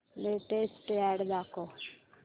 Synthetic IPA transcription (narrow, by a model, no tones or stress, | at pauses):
leːʈesʈɛːɽd̪aːko